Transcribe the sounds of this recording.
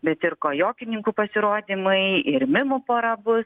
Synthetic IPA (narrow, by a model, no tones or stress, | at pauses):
bʲɛt̪ɪɾkoːjoːkʲɪnʲɪŋkuːpɐsʲɪɾoːd̪ʲiːmɐɪɪɾmʲɪmopoːɾɐbʊs